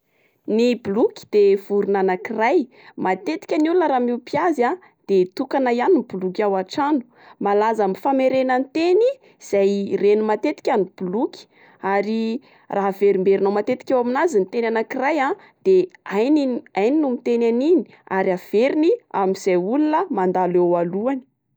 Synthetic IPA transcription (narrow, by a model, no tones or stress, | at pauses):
nibulukʲi̥d̪̥ev̥uɾunanakiraj | mat̪et̪i̥kʲanulunəɾaːmiupiaza | d̪̥et̪ukanajanibulukʲawaʈ͡ʂanu̥ | malazamifameɾenant̪eni | z̥ajrenumat̪et̪i̥kʲanib̥ulukʲi̥ | aɾi | raɦveɾimbeɾinowmat̪et̪i̥kʲawaminazinit̪enanakiraja | d̪̥eaniajninumit̪enanini̥ | aɾiav̥eɾinia̰miz̥ajulunəmand̪alewaluani̥